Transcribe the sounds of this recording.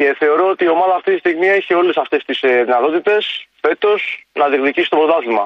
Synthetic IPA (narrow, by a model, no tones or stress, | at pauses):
e̞θe̞o̞ɾo̞ot̪iːo̞mɐðɐːft̪it̪ist̪iɣmieçio̞le̞sɐft̪e̞st̪isðinɐt̪o̞t̪it̪e̞sfe̞t̪o̞snɐðikðicisi̥t̪o̞pɾot̪ɐθimɐ̰